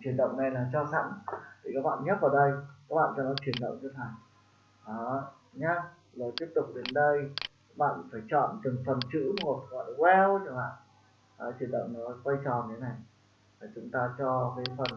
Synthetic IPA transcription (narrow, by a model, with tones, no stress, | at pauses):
t͡ɕwi˨˩ənɗə̰˧˨wŋ͡mna˨˩jlaː˨˩t͡ɕɔ˧sa̰˧˨mt̪ʰi˨˩kaː˦˥k̚ɓa̰ː˧˨nɲə˦˥t̚vaː˨˩ɗə˧jkaː˦˥k̚ɓa̰ː˧˨nt͡ɕɔ˧nɔ˨˦t͡ɕwi˨˩ənɗə̰˧˨wŋ͡mt͡ɕɨ˧t̪ʰa˨˩j | ʔaː˨˦ | ɲa˧ | zəː˨˩t̪i˦˥əp̚t̪ʊ˨˩k͡p̚ɗe˨˦nɗə˧j | a˦˥k̚ɓa̰ː˧˨nfaː˧˩jt͡ɕɔ̰˧˨nt̪ɨ˨˩ŋfə˨˩nt͡ɕɨ̰˧˥m̚˧˨˩kːɔ̰˧˨lwɛ˧wt͡ɕɨ˨˩kɓa̰ː˧˨n | ʔːt͡ɕwi˧˨˩ənɗə̰˧˨wŋ͡mnɔ˨˦kwa˧jt͡ɕɔ̰˨˩n˨˩t̪ʰe˨˦na˨˩j | t̪ʰa˨˩t͡ɕʊ˨˦ŋ͡mt̪aː˧t͡ɕɔ˧kaː˨˦jfə˨˩n